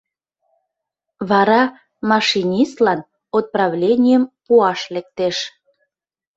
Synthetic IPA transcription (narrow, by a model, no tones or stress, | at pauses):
βɑɾɑ | mɑʃinʲist̪lɑn | ot̪̚prɑβlʲenʲijəmpuɑʃlek̚t̪eʃ